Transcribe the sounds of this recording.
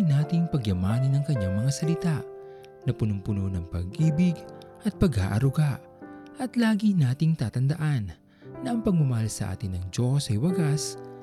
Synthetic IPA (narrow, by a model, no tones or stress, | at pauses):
naːt̪ɪŋpɐɡjɐmaːnɐnɐŋkɐɲːaŋmɐŋasɐlɪt̪aʔ | nɐpʊnʊmpʊnonɐŋpɐ̰ɡʔiːbɪɡ | ʔɐt̪̚pɐɡa̰ːʔɐɾʊɡaʔ | ʔɐt̪laːɡinaːt̪ɪŋt̪aːt̪ɐnd̪ɐʔanː | ɐʔɐŋpɐɡ̚mʊmɐhalsɐʔa̰ːt̪ɪnːɐŋd͡ʒo̞sɐjwɐɡas